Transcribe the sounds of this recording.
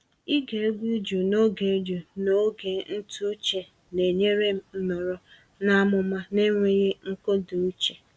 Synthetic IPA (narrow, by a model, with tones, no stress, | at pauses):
i˦ɡe˨e˦ɡʷu˦d͡ʒu˨no˦ɡe˨˦d͡ʒu˨no˦ɡe˨n̩˦tʰu˦t͡ʃe˨ | ne˨ɲe˦ɾe˦m̩˦mɔ˨ɾɔ˦ | na˦mʊ˨ma˦ne˦ŋʷe˦ɣe˦ŋ̩˦ko˦du˨u˦t͡ʃe˨